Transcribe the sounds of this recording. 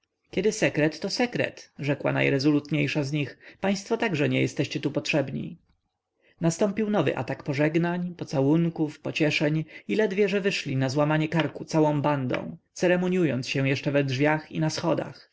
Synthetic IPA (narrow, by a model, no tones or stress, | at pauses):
kʲɛd̪ɘsɛkɾɛt̪ːɔsɛkɾɛ̰t̪ʐɛkwa̰na̰jɾɛzɔlut̪ɲejʂazɲixpaj̃st̪fɔt̪aɡʐɛɲɛjɛst̪ɛɕt͡ɕɛt̪upɔtʂɛbɲḭ | nast̪ɔ̃mpʲiwnɔvɘ̰ʔa̰t̪akpɔʐɛɡnaɲpɔt̪sawuŋkufpɔt͡ɕɛʂɛɲilɛd̪vʲjɛʐɛvɘʂlʲinazwamaɲɛkaɾkut̪sawɔ̃w̃band̪ɔ̰̃w̃t̪sɛɾɛmɔɲujɔnt̪sɕɛw̃jɛʂt͡ʂɛvɛdʐvʲjaxinasxɔd̪a̰x